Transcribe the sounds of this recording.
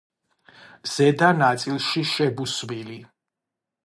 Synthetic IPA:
z̥ɛd̪anat̪sʼilˠʃiʃɛbusvili

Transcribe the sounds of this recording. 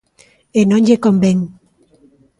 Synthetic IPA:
enoɲʎekombeŋ

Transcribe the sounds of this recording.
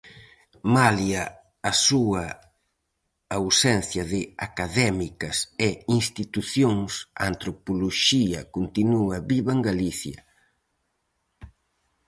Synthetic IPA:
maljɐː | suɐ | wsɛn̟θjɐðɪakaðɛmikɐsɛinst̪it̪uθjoŋsa̰nt̪ɾopoloʃiɐkont̪inuɐβiβaŋɡaliθjɐ

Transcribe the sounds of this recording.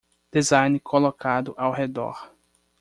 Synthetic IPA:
d̪̥ezãjnɪkʰolokʰad̪ʊʔawɦed̪ɔ̰ɾ

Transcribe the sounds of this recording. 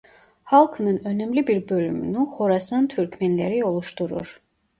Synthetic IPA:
hɑlˠkʰɯnɯnø̞nymlibiɾbø̞lymy̰nyxoɾɑsɯnt̪ʰyɾkʰmænlæɾio̞lˠuʃt̪uɾṵɾ̥

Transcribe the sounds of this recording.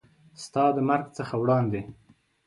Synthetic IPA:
st̪ɑd̪əmaɾɡt͡səxawɽɑnd̪e

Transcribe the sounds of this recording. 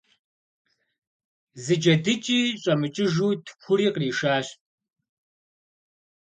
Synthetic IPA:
zɨd͡ʒɐdɨt͡ʃʼiːɕʼɐmɨt͡ʃʼɪʒuːtʰpʷʰʊɾiːqriːʃaːɕ

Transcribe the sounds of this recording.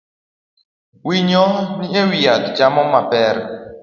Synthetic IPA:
wiɲɔniewiadd͡ʒamɔmapɛɾ

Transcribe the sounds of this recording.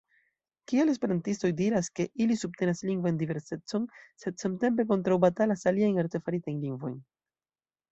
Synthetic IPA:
kiale̞s̬pe̞ɾantisto̞jdiɾaske̞ʔilisub̚te̞nasliŋɡvajndive̞ɾse̞t͡so̞nse̞dsamte̞mp̬e̞k̬o̞ntɾawbatalasaliajnaɾte̞faɾitajnliŋɡvo̞̰jn

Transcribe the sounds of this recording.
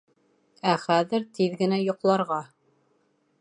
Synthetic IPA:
æχæðɘ̆ɾt̪iðɡɘ̆næjŏqlˠɑɾʁɑ

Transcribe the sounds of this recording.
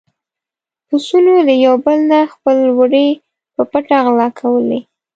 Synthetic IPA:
ʊsulolajawbəlnaxpəlwəɖe | pəpaʈaɣlɑkʰawəle

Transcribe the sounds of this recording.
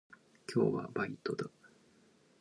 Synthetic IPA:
kʲʰo̞̰ːβa̰bait̪o̞d̪a

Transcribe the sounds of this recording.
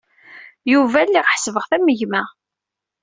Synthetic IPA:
juvælːiʁħsvəʁθæməʝmæ

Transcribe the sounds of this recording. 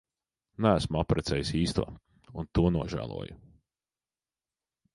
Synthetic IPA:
nææsmuapɾʔɛt̪sɛːjisiːst̪uɔ | unt̪uɔnuɔʒæ̰ːlˠṵɔju

